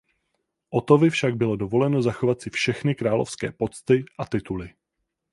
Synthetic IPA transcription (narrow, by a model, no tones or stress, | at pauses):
ʔo̞t̪o̞vɪfʃaɡ̚bɪlo̞dovo̞lɛno̞zaxovat̪sɪfʃɛxnɪkɾaːlo̰fskɛ̰ːpo̞t͡st̪ɪʔat̪ɪt̪ulɪ